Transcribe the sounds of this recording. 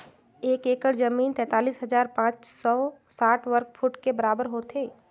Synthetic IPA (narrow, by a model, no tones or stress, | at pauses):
eːkeːkəɾd͡ʒɐmiːnt̪ɛ̃ːt̪aːliːsɦɐzaːɾpãːt͡ʃsɔːsaːʈʰʋəɾk̚fʰʊʈkebɐɾaːbəɾɦoːt̪eː